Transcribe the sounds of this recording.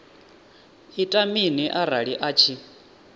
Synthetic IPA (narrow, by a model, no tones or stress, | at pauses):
itʼaminiʔaɾaɺiʔat͡ʃʰi